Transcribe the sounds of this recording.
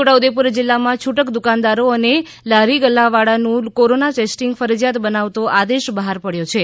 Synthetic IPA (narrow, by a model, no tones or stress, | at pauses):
oʈaud̪epuɾd͡ʒɪlːamãt͡ʃʰuʈəkd̪ukand̪aɾoəne | laɾiɡəlːaʋaɽanũkoɾonaʈesʈiŋɡfəɾəd͡ʒjat̪bənaʋt̪oʔad̪eʃbəɦaɾpəɽjot͡ʃʰe